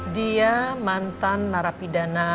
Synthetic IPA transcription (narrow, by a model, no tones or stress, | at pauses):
diamant̪anːaɾapidana